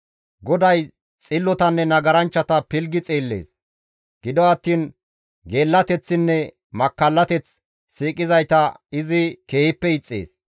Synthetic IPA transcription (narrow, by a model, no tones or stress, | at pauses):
ɡɔd̪ɐj | t͡sʼɪlːɔt̪ɐnːɛnɐɡɐɾɐnt͡ʃːɐt̪ɐpɪlɡɪt͡sʼeːlːḛːs | ɡ̥ɪd̪ɔɐt̪ːiːn | ɡe̞ːlːɐt̪ɛt͡sːɪnːɛ | mɐkːɐlːɐt̪ɛt͡s | siːkʼɪzɐjt̪ɐɪzɪke̞ːhɪpːɛɪt͡sʼːḛːs